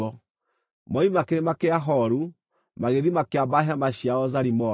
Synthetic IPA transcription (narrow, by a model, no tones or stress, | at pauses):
ɔ | mɔimakeɾemakeaɦɔɾu | maɣeðimakeabaɦamaɕiaɔzaɾimɔ